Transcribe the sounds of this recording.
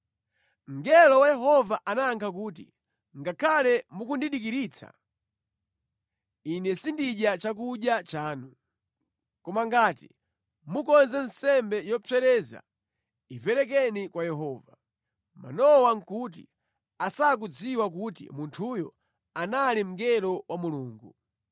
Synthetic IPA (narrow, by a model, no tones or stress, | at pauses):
ŋ̩ɡɛlɔwajɛɦɔvaʔanaŋkʰak̬uːtḭ | ŋɡakʰalɛmukundiɗikiɾiːt͡sʰa̰ | inɛsindiʄjat͡ʃak̬uʄjat͡ʃaːnu | kɔmaŋɡaːtḭ | mukɔnzɛn̩sɛmbɛjɔpʰɛɾɛza̰ | ivɛɾɛk̬ɛnikwajɛɦɔːva | ma̰nɔwaŋ̩kut̬ḭ | asak̬ud͡ziwak̬utḭmuntʰujɔ | analim̩ɡɛɾɔwʔamuluːŋɡu